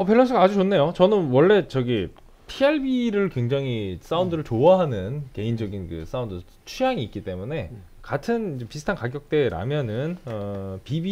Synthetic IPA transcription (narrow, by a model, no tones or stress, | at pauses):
ʌpʰeɭːʌs̬͈ʰɯɡaad͡ʑut͡ɕonːe̞jot͡ɕʌnɯnwʌɭːe̞t͡ɕʌɡi | pʰieɭbiɾɯɭkwe̞ŋd͡ʑaŋis͈aundɯɾɯɭt͡ɕoaɦanɯnke̞ind͡ʑʌɡinkɯ̰s͈aundɯ | t͡ɕʰujaŋiːk͈it͈e̞mune̞ | katʰɯnid͡ʑepisʰɯtʰankaɡjʌk̚t͈e̞ɾa̰mjʌnɯnʌpibi